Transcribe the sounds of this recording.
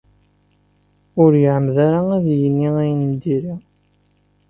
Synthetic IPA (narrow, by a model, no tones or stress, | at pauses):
ʊɾjəʕəmːðaɾaæðjənːiæjnəmd̪iɾa